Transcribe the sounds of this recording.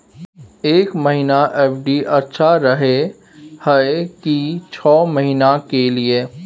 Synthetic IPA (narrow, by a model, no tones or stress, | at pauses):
eːkməɦinaʔɛːpʰɖiʔɐtːʃʰaɾəɦe | hɛekit͡ʃʰɔːməɦinakelieː